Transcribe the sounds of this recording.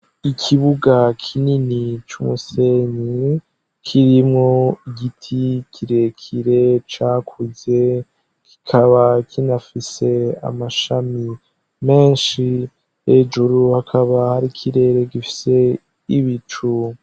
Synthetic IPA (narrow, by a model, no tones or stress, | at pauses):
ikʰiβuɡakʰininit͡ʃumuse̞ɲi | kʰiɾimŋo̞iɡitʰikʰiɾe̞kʰiɾe̞t͡ʃaːkʰuze̞ | ki̥kʰaβakʰinafise̞a̰maʃami | me̞ːnʃi | he̞d͡ʒuɾuhakʰaβahaɾikʰiɾe̞ɾe̞kifi̥se̞ | iβit͡ʃu